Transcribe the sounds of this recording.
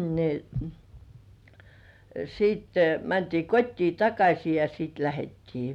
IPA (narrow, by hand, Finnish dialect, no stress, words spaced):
ni siːtːe mæntiː kotʲtiː tɑkɑsʲi jɑ siːt læhetːiː